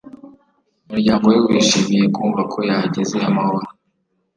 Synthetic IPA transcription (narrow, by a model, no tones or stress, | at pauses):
umuɾɟaːŋɡowaɾiwiːʃimije̞kuːɱvakʰo̞jaɟezeamahoɾa